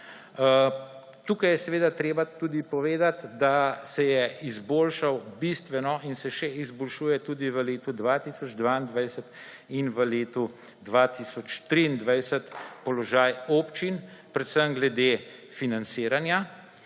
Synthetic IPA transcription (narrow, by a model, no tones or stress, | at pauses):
t̪uːkajɛsɛʋeːd̪at̪ɾeːbat̪uːd̪ipɔʋeːd̪at̪d̪asɛjɛizboːlʃawbist̪ʋɛnɔʔinsɛʃɛizbɔlʃuːjɛt̪uːd̪iʋəleːt̪ud̪ʋat̪isɔd͡ʒd̪ʋaind̪ʋajsət̪ | inʋəleːt̪u | d̪ʋat̪isɔt͡ʃt̪ɾind̪ʋajsət̪pɔlɔʒaːjoːpt͡ʃinpɾɛt̪səmɡlɛd̪efinant̪siːɾanja